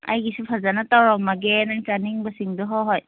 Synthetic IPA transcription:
a̰jɡisupʰazanatawɾɔmaɡenaŋt͡ʃaniŋbasiŋdɔɦɔɦɔj

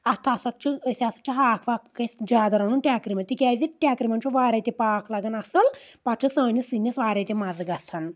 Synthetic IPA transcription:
ɐst̪ʰasɐt͡ʃʰɨsʲasɐ̥t͡ʃʰɨɦaːkʰʋaːkkːɐsd͡ʒaːd̪ɐɾɐnunʈʲaːkɾimɐt̪ikʲaːziʈʲaːkɾimɐnt͡ʃʰuʋaːɾʲat̪ʲipaːkʰlɐɡɐnɐsɐlpɐt͡ʃʰɨsɐːnʲisinːɐsʋaːɾʲɐːt̪ʲimɐzɨɡɐsʰɐn

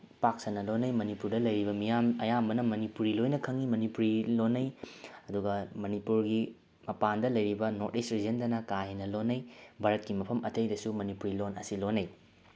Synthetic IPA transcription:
paksɐnːɐlonːɐjmɐnipuɾdɐlɐjɾibɐmijamɐjambɐnɐmɐnipuɾilojnɐkʰɐŋimɐnipuɾilonːɐjɐduɡɐmɐnipuɾɡi | mɐpandɐlɐjɾibɐnoɾdestɾid͡ʒɐndɐnɐkaɦinɐlonːɐjbʱaɾɐt̚kimɐpʰɐmɐtɐjdɐsumɐnipuɾilonɐsilonɐj

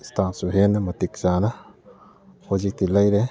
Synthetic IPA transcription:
statsuɦenɐmɐt̪ik̚zanɐ | hozik̚t̪ilajɾe

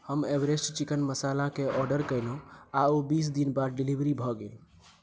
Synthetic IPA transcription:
həmebɾesʈt͡ʃikənməsalãkeʔɔɾɖəɾkəjlaobisd̪inbad̪ɖilibɾibʱɔɡel

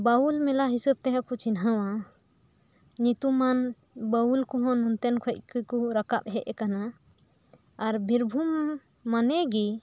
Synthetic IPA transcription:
baulmɛlaɦisəb̚t̪ɛɦãkut͡ʃinɦawa | ɲit̪uman | bəulkɔɦɔ̃nunt̪ɛnkʰɔc̪̚kʰukuɾakap̚ɦɛʔɛkana | ɾbʱiɾbʱumː | anɛɡi

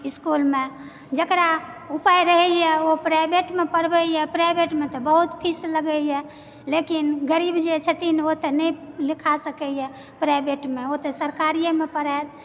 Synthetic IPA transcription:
iskulme | d͡ʒəkɾaupajɾəɦɛjɛopɾajbeʈmepəɽbəjɛpɾajbeʈmet̪ɔbəɦut̪pʰisləɡəjɛ | lekinɡəɾibd͡ʒet͡ʃʰət̪inot̪enəilikʰasəkɛjɛ | pɾajbeʈmeot̪esəɾkaɾijemepəɽɛt̪̚

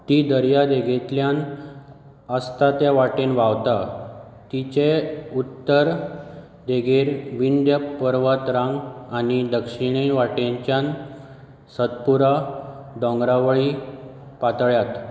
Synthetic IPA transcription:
t̪id̪əɾjad̪eɡʱet̪ljan | əst̪at̪jaʋaʈenʋaʋt̪a | t̪it͡ɕeut̪ːəɾ | d̪eɡʱeɾʋind̪jəpːəɾʋət̪ɾãŋɡanid̪əkʂiɽ̃iʋaʈeɲt͡ɕjãn | səd̪puɾad̪ɔ̃ŋɡɾaʋəɭi | pat̪ɭjat̪

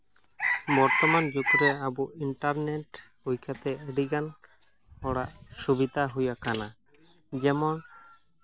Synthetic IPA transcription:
bɔɾt̪ɔmand͡ʒukuɾɛabuiɳʈaɾneʈ | ujkʰat̪ɛeɽiɡan | ɔɽaʔsubid̪aɦujakana | d͡ʒɛmɔn

